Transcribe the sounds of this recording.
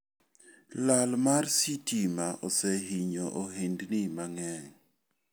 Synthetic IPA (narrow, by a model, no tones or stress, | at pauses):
lalmarsitimaʔɔsɛɦiɲɔʔoɦendnimaŋɛŋ